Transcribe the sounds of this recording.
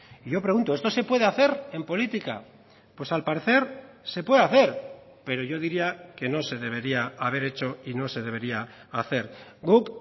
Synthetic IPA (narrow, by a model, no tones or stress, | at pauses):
iʝo̞pɾe̞ɣunt̪oe̞st̪o̞se̞pwe̞ð̞eaθe̞ɾe̞mpo̞lit̪ika̰ | pwe̞salpaɾeθe̞ɾ | se̞pwe̞ðeaθe̞ɾ | pe̞ɾo̞ʝo̞ðiɾiake̞no̞se̞ðe̞β̞e̞ɾiaaβ̞e̞ɾe̞t͡ʃo̞ino̞se̞ðe̞βe̞ɾiaːθe̞ɾɡuk